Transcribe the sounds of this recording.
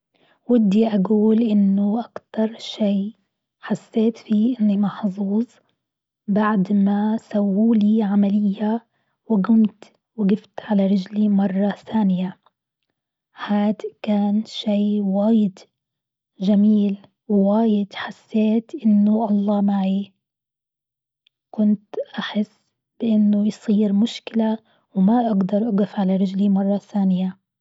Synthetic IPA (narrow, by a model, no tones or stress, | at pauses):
wɪd̪ːiʔaɡuːlʔɪnːʊʔakt̪ɑɾˤʃiː | ħasːeːt̪fiːʔɪnːimɑħzˤuːzˤ | baʕd̪masawːuːliːʕamalɪjːa | wɪɡʊmt̪ | wɪɡɪft̪ʕalaɾɪd͡ʒlimɑrˤːɑθaːnɪja | haːd̪kaːnʃiːwaːjɪd̪ | ʒamiːl | wwaːjɪd̪ħasːeːt̪ʔɪnːʊʔɑlˤːɑːmaʕi | kʊnt̪ʔaħɪsː | b̥ɪʔɪnːʊjsˤiːɾmʊʃkɪla | wmaʔaɡd̪ɑɾˤʔaɡɪfʕalaɾˤɪd͡ʒlimɑrˤːɑθaːnɪja